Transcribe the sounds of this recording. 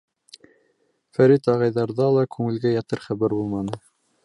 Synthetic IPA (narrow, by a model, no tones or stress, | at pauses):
fæɾit̪ɑʁɑjðɑɾðɑlˠɑkʉŋɘ̆lɡæjɑt̪ɘɾχæβæɾbulˠmɑnɤ